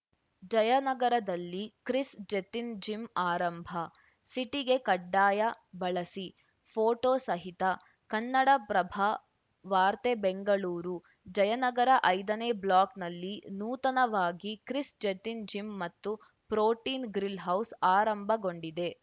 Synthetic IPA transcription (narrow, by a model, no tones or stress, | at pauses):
d͡ʒɐjɐnɐɡɐɾɐd̪ɐlːikɾisd͡ʒet̪ind͡ʒimaːɾɐmbʱɐ | siʈiɡe̞kɐɖːaːjɐ | bɐɭɐsi | pʰoːʈoːsɐɦit̪ɐ | kɐnːɐɽɐpɾɐbʱaː | ʋaːɾt̪ebeŋɡɐɭuːɾu | d͡ʒɐjɐnɐɡɐɾɐʔɐjd̪ɐneːblaːknɐlːinuːt̪ɐnɐʋaːɡikɾisd͡ʒet̪ind͡ʒimːɐt̪ːu | pɾoːʈiːnɡɾilɦɐwsaːɾɐmbʱɐɡo̞ɳɖid̪e̞